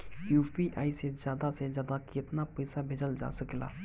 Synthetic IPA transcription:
juːpiːʔaːisezjaːd̪aːsezjaːd̪aːkɪt̪naːpəːsaːbʱɪd͡ʒəld͡ʒa̰ːsəkla̰ː

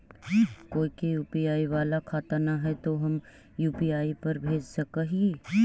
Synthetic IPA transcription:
koːikejuːpiaːiʋaːlakʰaːt̪anaɦɛt̪oɦɐm | juːpiaːipɐɾbʱeːd͡ʒsɐkəɦieː

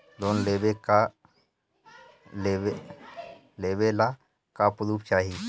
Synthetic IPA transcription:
d̪oːnleːbeka | ee | leːbela | kapʊɾup̚t͡ʃaːɦi

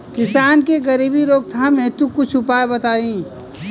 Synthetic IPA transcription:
kɪsaːnkeɡɐɾiːbiɾoːɡ̚t̪ʰamẽt̪ũkʊt͡ʃʰʊpaːebɐt̪aːĩː

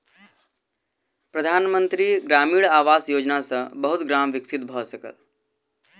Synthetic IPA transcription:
pɾəd̪ʱaːnmə̃nt̪ɾiɡɾaːmiːɭaːʋaːsjoːd͡ʒnasɐ̃bəɦʊt̪ɡɾaːmʋɪksɪt̪bʱɔːsɐkə̰l

